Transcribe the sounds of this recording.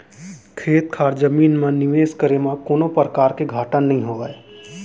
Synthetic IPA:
kʰeːt̪̚kʰaːɾd͡ʒəmiːnmãnɪʋeːskəɾemãkoːnõpəɾəkaːɾkeɡʱaːʈənːɐɦĩɦoːɡaːeː

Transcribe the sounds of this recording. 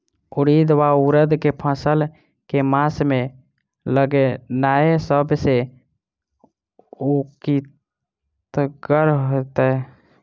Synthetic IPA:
uɽid̪ʋauɾəd̪kepʰə̃səl | kemasme | ləɡenaesəbse | uki | t̪əɡəɾɦot̪ɛ

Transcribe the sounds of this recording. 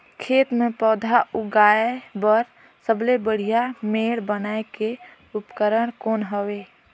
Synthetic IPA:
kʰeːt̪mẽpɔːd̪ʱaʔuɡaebəɾ | səblebəɽ̤ijameːɽbənaeke | ʊpkəɾəɽ̃koːnɦəweː

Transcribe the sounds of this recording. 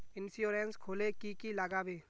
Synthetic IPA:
ɪnsjoːɾẽnskʰoːlekikilaɡabeː

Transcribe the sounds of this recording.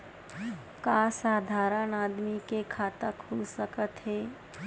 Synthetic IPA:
kaːsaːd̪ʱaːɾənaːd̪mikekʰaːt̪akʰuːlsəkət̪ɦɛː

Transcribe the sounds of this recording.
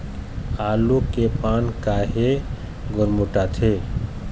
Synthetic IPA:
alukepankaɦe | ɡʊɾmuʈat̪ʰe

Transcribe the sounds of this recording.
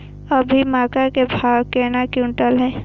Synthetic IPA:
əbʱimaːkakebʱaːwkeːnakjũɳʈəlɦɛː

